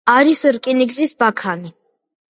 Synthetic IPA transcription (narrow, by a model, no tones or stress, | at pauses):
aɾisɾkʼiniɡzisbakʰani